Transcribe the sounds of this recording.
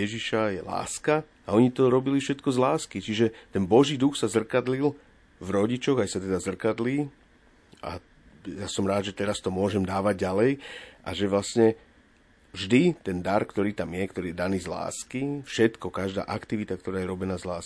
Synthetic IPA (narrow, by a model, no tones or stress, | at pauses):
ɛʒiʃajɛla̰ːska | aɔɲit̪ɔɾɔbilifʃɛt̪kɔzlaːskit͡ʃiʒɛt̪ɛnbɔʒiːd̪uxsazr̩kad̪lil | vɾɔɟit͡ʃɔɣajsat̪ɛd̪azr̩kad̪liː | ʔa̰ | jasɔmɾaːd̪ʒɛt̪ɛɾast̪ɔmʊɔʒɛmd̪aːʋaɟɟalɛjʔa̰ʒɛʋlasɲɛ | vʒd̪it̪ɛnd̪aɾkt̪ɔɾiːt̪amjɛkt̪ɔɾiːjɛd̪aniːzla̰ːskifʃɛt̪kɔkaʒd̪a̰ːʔakt̪iʋit̪akt̪ɔɾaːjɛɾɔbɛnaːzlaːs